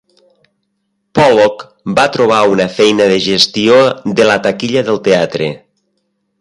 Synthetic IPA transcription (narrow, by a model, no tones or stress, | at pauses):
pɔlok | bat̪ɾoβ̞aunafɛjnəðeʒest̪iod̪əlat̪akiʎəðəlˠt̪eat̪ɾe